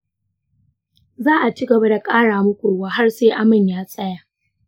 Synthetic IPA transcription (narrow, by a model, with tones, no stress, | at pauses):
zaː˦ʔa˨t͡ʃi˦ɡɐ˨ba˦da˨kʼaː˦ɽaː˨mʊ˦kʷoː˨waː˦ɦa˦rseː˦ʔa˦mɪ˨ɲjaː˦sʼɐ˦jaː˨